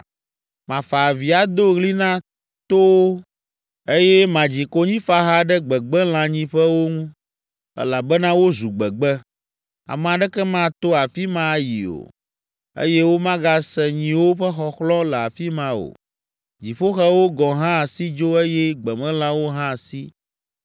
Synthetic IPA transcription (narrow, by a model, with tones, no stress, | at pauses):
mã˨fa˨vi˨a˨d̪o˦ɣli˦nã˦ | t̪o˦w | e˦jɛ˦mã˨d͡ʑi˨ko˦ɲĩ˦fa˦ɦa˦ɖɛ˦ɡ͡bɛ˨ɡ͡bɛ˦l̃ã˨ɲĩ˦ɸɛ˦wo˦ŋũ˦ | ɛ̰˦la˨bɛ˦nã˦wo˦zu˨ɡ͡bɛ˨ɡ͡bɛ˦ | a̰˨mɛ˨a˨ɖɛ˦kɛ˦mã˦˨t̪o˦a˨fi˦mã˦˨jḭ˨o̰˨ | ḛ˦jɛ˦wo˦mã˦ɡa˦sɛ˨ɲĩ˨wo˦ɸɛ˦xɔ˨xlɔ̃˦lɛ˨a˨fi˦mã˨o̰˨ | d͡ʑi˨ɸo˦xɛ˦wo˦ɡɔ̃˨ɦã˦˨si˦d͡ʒo˦e˦jɛ˦ɡ͡bɛ˨mɛ̃˦l̃ã˦wo˦ɦã˦˨si˦